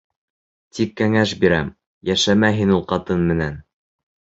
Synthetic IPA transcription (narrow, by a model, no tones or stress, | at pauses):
t̪ʰikːæŋæʃbiɾæm | jæʃæmæɦinulˠqɑt̪ɤnmɘ̆næn